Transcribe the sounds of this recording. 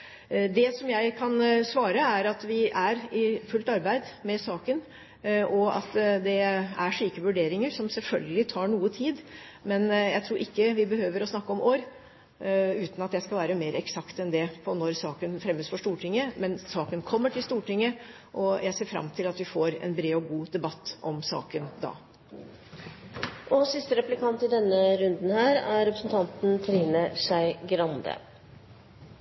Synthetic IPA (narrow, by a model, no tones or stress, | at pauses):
d̪ɛsɔmjæɪkʰɑnsʋɑːɾəæɾɑt̪ʋɪæɾɪfʉlt̪ɑɾbæɪd̪mɛsɑːkən | ʔɔɑ̰t̪d̪ɛæɾʂiːkəʋʉɖeːɾɪŋəɾsɔmsɛlfœlɡəlɪt̪ʰɑːɳuːət̪ʰiːd̪ | mɛnjæɪt̪ʰɾuːɾʔɪkːəʋɪbəhøːʋəɾɔsnɑkːəɔmoːɾ | ʉːt̪n̩ɑt̪jæɪskɑlʋæːɾəmeːɾɛksɑkt̪ɛnd̪ɛpʰɔnɔɾsɑːkənfɾɛmːəsfɔʂʈ̪uːʈʰɪŋːəmɛnsɑːkənkʰɔmːəʈʰɪlst̪uːʈɪŋːə | ʔɔjæɪseːɾfɾɑ̰mt̪ʰɪlɑt̪ʋɪfoːɾɛ̰nbɾeːɔɡuːd̪ɛbɑt̪ːʔɔmsɑ̰ːkənd̪ɑ̰ː | ʔɔsɪst̪əɾɛplɪkʰɑnt̪ɪd̪ɛnːəɾʉnd̪n̩hæːɾæɾɾɛpɾəsnt̪ʰɑnt̪n̩t̪ʰɾiːnəʂæɪɡɾɑnd̪ə̰